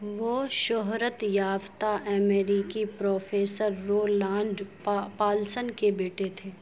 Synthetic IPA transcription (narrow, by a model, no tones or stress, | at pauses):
ʋoːʃɔɦɾət̪jaːft̪aʔɛmeːɾikipɾoːfʰeːsəɾːoːlãːɳɖ | paːlsənkebeːʈet̪ʰeː